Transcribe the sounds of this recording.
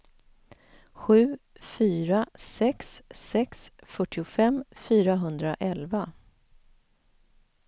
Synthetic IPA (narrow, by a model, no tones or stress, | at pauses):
ɧʉ̟ːfyːɾasɛksɛksfœʈːɪʊfɛmfyːɾaɦɵnd̪ɾaʔɛlva